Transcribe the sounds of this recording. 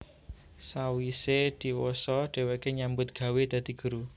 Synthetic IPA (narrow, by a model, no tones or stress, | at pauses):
sawised̪̥i̤wosɔɖ̥e̤wekeɲambʊt̪̚ɡ̥ä̤wed̪̥ä̤d̪̥i̤ɡ̥ṳɾu